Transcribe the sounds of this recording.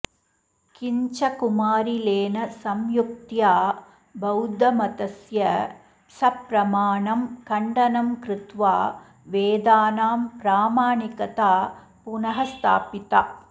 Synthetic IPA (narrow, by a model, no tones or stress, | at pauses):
kiɲt͡ʃɐkumaːɾileːnɐsɐmjuk̚t̪jaː | bɐwd̪ɐmɐt̪ɐsjɐ | sɐpɾɐmaːɳɐmkɐɳɖɐnɐmkɾɪt̪ʋaː | ʋeːd̪aːnaːmpɾaːmaːɳikɐt̪aː | punɐɦɐst̪ʰa̰ːpit̪a